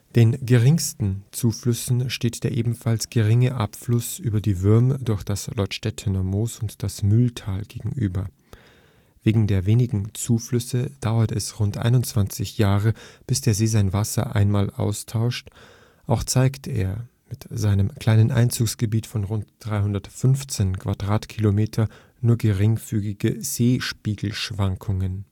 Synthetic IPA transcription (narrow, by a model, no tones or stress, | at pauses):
d̥eːnɡəʁɪŋstn̩t͡suːflʏsn̩ʃteːtd̥eːɐʔeːbm̩falsɡ̥əʁɪŋəʔapflʊsʔyːbɐdiːvʏɐmədʊɐçd̥aslʔɔtʃtɛtʰənɐmoːsʊntd̥asmyltʰaːlɡ̥eːɡŋ̩ʔy̰ːbɐ | veːɡŋ̩deːɐveːnɪɡŋ̩t͡suːflʏsəd̥aʊɐtɛsʁʊntʔa̰ɪnʊnt͡sv̥ant͡sɪçjaːʁəb̥ɪsd̥eːɐzeːzaɪnvasɐ̰ʔa̰ɪnmaːlʔa̰ʊstʰaʊʃt | ʔaʊxt͡saɪktḛːɐ | mɪtz̥aɪnəmkʰl̥aɪnənʔa̰ɪnt͡suːksɡ̥əbiːtfɔnʁʊntd̥ʁaɪɦʊndɐtfʏnft͡seːnkʰv̥adʁaːtkʰilomeːtʰɐ | nuːɐɡəʁɪŋfyːɡɪɡəz̥eːʃpiːɡl̩ʃv̥aŋkʰʊŋən